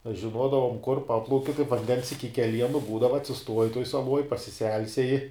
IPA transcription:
ɐʃ ʒʲɪˈnuɔdɐʋʊm kʊr ˈpɑːplˠɐʊkʲɪ kɐɪp ʋɐnʲˈdʲɛns ɪkʲɪ kʲɛˈlʲiɛnʊ ˈbuːdɐʋɐ ɐtʲsʲɪˈstuɔjɪ tuɔj sɐˈlˠuɔj pɐsʲɪˈsʲɛlʲsʲɛjɪ

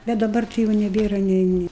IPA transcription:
bʲɛt dɐˈbɐr tɐɪ ˈjɛʊ nʲɛˈbʲeːrɐ nʲɛɪ ˈnʲɪ

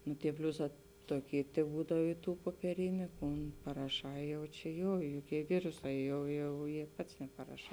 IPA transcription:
nʊ tʲiɛ ˈpʲlʲʊˌsɑː ˈtoːˌkʲiː tʲɛˈbuːdɐw ɪ ˈtuː puɔpʲiɛˈrʲɪnʲʊ ˈkʊn pɐrɐˈʃɑː ˈjɛʊ t͡ʃʲɛ ˈjoː joːˈkʲiɛ ˈʋʲɪrʊˌsɑː ˈjɛʊ jɛʊ jeː ˈpɐts nʲɛpɐrɐˈʃɑː

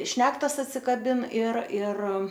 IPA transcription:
ˈʃʲnʲæːktɐs ɐtʲsʲɪkɐˈbʲɪn ɪr ɪr

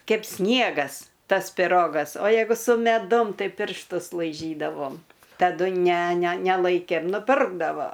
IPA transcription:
ˈkʲɛɪp ˈsʲnʲiɛɡɐs ˈtɐs pʲɪˈroːɡɐs oː ˈjɛɪɡʊ sʊ mʲɛˈdʊm tɐɪ pʲɪrʃˈtʊs lˠɐɪˈʒʲiːdɐʋoːm tɐˈdʊ nʲɛ nʲɛ nʲɛˈlˠɐɪkʲeːm nʊˈpʲɪrɡdɐʋoː

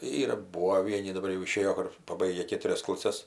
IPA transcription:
ˈiːrɐ ˈbuːʋoː ˈʋʲiɛnʲɪ dɐˈbɐr jɛʊ ɪˈʃʲeːjoː ˈkʊr pɐˈbɐɪɡʲɛ ˈkʲeːtʊrʲɛs klˠɐˈsʲɛs

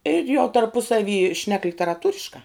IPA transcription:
ɪr jɛʊ tɐrˈpʊsɐʋʲiː ʃʲnʲɛk lʲɪtʲɛrɐˈtuːrʲɪʃkɑː

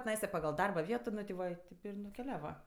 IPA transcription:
tʲɪˈnɐɪsɐ pɐˈɡɐlˠ ˈdɐrbɐ ˈʋʲiɛtoː ˈnʊ tʲɪ ˈʋɐ ˈtʲɪp ɪr nʊkʲɛˈlʲæːʋɐ

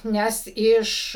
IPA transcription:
ˈnʲɛs ˈɪʃ

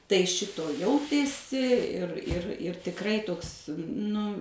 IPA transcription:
tɐɪ ˈʃʲɪtoː ˈjɛʊtʲeːsʲɪ ɪr ɪr ɪr tʲɪkˈrɐɪ ˈtoːks ˈnʊ

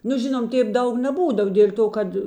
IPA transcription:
nʊ ˈʒʲɪnoːm ˈtʲeːp ˈdɐʊk nʲɛˈbuːdɐw dʲeːlʲ ˈtoː ˈkɐt

